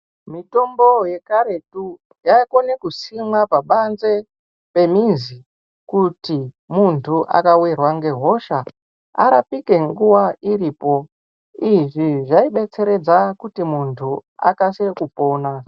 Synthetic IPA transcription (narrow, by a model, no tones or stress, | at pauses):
mito̞mbo̞je̞kaɾe̞tu | jaiko̞nekusimwapaɓanze̞ | pe̞minzi | kuti | muntʰuʔa̰kawirwaŋɡe̞ɦo̞ʃa | a̰ɾapike̞ŋɡuwaiɾiːpo̞ | iʐiʐaiɓe̞t͡se̞ɾe̞d͡zakutimuntʰua̰kasekupo̞ːna